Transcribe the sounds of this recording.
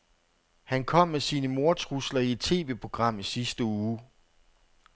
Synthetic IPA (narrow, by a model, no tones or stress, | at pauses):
hænkʰɒ̽m̰ːesiːnəmo̝ɐt͡sʰʁuslɐied̥̚t͡sʰe̝̰ːʋe̝pʰo̝ɡ̥ʁɑ̈m̰isisd̥əuː